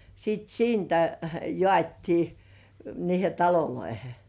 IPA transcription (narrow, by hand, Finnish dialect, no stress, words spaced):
sit siːntæ jŏɑˑtʲtiː niːhe tɑloloihe